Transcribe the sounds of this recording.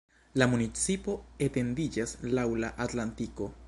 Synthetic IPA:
lamunit͡sipo̞et̪e̞nd̪id͡ʒaslawlaʔat̪lantiko̞

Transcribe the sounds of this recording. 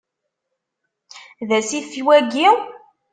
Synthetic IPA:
ðæsifiwæɡiw

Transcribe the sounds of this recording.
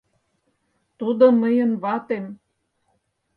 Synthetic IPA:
t̪ud̪ɤ̆mə̆jə̆nβɑt̪em

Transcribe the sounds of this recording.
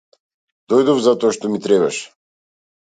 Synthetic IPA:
d̪ɔjd̪ɔvzat̪ɔaʃt̪ɔmit̪ɾɛβaʃ

